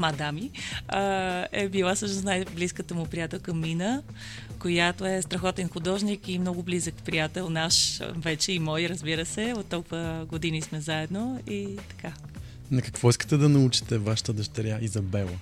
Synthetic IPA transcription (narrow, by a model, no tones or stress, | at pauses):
mad̪amiəɛbilˠasɤʃnosnajbliskət̪əmʊpɾijat̪ɛlˠkɐmːinə | kojat̪oɛst̪ɾɐxɔt̪inxʊd̪ɔʒnikimnɔɡʊblizəkpɾijat̪ɛlˠnaʃvɛt͡ʃɛimɔjɾəzbiɾəsɛot̪ːɔlˠkvəɡod̪inismɛzaɛd̪noit̪ɐ̥ka | nɐkɐkvɔiskə̥t̪ɛd̪ɐnɐut͡ʃi̥t̪ɛvaʃə̥t̪əd̪ɐʃt̪ɐɾʲjaizɐbɛlˠə